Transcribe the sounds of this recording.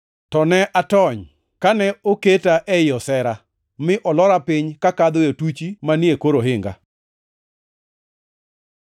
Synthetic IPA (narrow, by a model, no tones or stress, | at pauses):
tɔnɛʔatɔɲ | kanɛoketaʔɛjɔsɛɾa | mɪʔɔlɔɾapɪɲkakad̪ojotut͡ʃimanjekoɾoɦɪŋɡa̰